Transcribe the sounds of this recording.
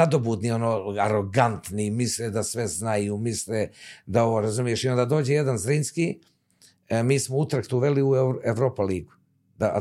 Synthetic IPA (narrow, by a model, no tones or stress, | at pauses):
ad̪o̞buːd̪nio̞noːaɾo̞ɡant̪nimisled̪asʋeznajumisled̪ao̞ʋoːɾazumijeʃiond̪ad̪o̞ːd͡ʑejed̪anzɾinski | miːsmout̪ɾakt̪uʋe̞liueʋɾo̞ːpaliːɡu̥ | d̪a